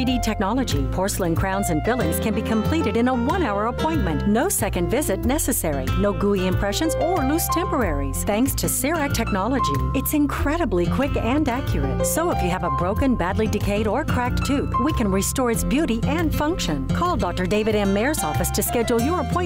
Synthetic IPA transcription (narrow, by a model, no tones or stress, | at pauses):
iɾitʰɛk̚nɑlˠəd͡ʒipʰɔɹsl̩ˠɪ̃ŋkʰɹ̥ãʊ̃nzɨ̃nbɪlˠɪ̃ŋz̥kʰɨ̃nbikʰɨ̃mpʰl̥iɾɨɾɨ̃nəwʌ̃naʊə˞əpʰɔ̃ɪ̃nmɨ̃nʔnoʊsɛkɨ̃ndvɪzɨtⁿnɛsɨsɛɹḭnoʊɡuiɨ̃mpʰɹ̥ɛʃɨ̃nzə˞lʉstʰɛ̃mpə˞ɛɹiz̥θæ̃ŋkstʰɨsɪɹæk̚tʰɛk̚nɑlˠəd͡ʒiɨtsɨ̃nkʰɹ̥ɛɾɨblikʰw̥ɪkɨ̃nækʰjə˞ɨ̰t̚soʊəfjɨːvəbɹoʊkɨ̃nbædˡlidɨkʰeɪɾə˞kʰɹ̥æk̚tʰʉpwikʰɨ̃nɹistɔɹɨtsb̥jʉɾiʔɨ̃n̥fʌ̃ŋkʃɨ̃nkʰɔlˠdɑk̚tə˞deɪvɨɾɛ̃mːɛɹzɔfɨstʰɨskɛd͡ʒl̩ˠjə˞əpʰɔ̃ɪ̃